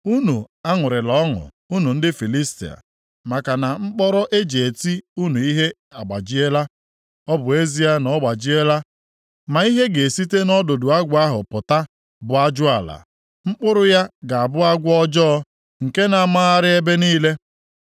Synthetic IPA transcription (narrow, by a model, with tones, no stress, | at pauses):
u˦nu˨ | a˦ŋʊ˨ɾɪ˨lɔ˨˦ŋʊ̰˨ | u˦nu˨n̩˦dɪ˦fi˨li˦stḭ˨a̰˨ | ma˨ka˨na˨ŋ͡m̩˦k͡pɔ˦ɾɔ˦ʔe˦d͡ʒe˨e˨ti˦u˦nu˨i˦ɦe˦ | a˨ɡ͡ba̰˨d͡ʒi˦e˦la˦ | ɔ˦bʊ˨e˦zi˦a˦nɔ˦ɡ͡ba˨d͡ʒi˦e˦la˦ | ma˨i˦ɦe˦ɡe˨si˦te˦nɔ˦do˨dʊ˨a˦ɡʷa˦ɦʊ˨pʊ˨ta˦ | bʊ˨a˦d͡ʒʊ˦a˨la̰˨ | ŋ͡m̩˦k͡pʊ˦ɾʊ˦ja˦ɡa˨a˨bʊ˦a˦ɡʷʊ˦ɔ˦d͡ʒɔː˦ɔ˦ | ŋ̩˨ke˦na˨˦˨ma˦a˦ɾɪ˦e˦be˦niː˦le˦